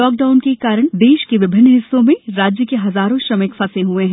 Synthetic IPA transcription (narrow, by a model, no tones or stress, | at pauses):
ɔːk̚ɖaːʊnkekaːɾəɽ̃d̪eːʃkeʋɪbʱɪnːɦɪsːõmẽɾaːd͡ʒjəkeɦɐzaːɾõʃɾɐməkfɐsẽɦuẽɦɛ̃ː